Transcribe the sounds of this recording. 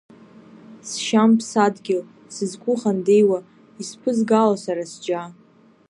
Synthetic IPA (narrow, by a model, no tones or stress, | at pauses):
sʃampʰsadɡʲɪl | sɨzɡʷʰʼʊχandejwa | ispʰɨzɡalasaɾasd͡ʒa